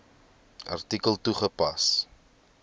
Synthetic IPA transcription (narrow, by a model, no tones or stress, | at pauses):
ʔɐ̰rtikəlˠtuχəpɐs